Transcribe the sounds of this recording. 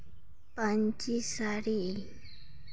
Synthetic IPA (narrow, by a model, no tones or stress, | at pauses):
pant͡ʃɪsaɾiː